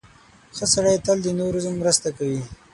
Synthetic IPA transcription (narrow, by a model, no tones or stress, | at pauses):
xəsaɽajt̪əld̪ənoɾuzəmːɾəst̪akawi